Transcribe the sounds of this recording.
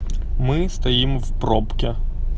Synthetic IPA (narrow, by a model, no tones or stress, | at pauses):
mɪst̪ɐjimwpɾɔpkʲɛ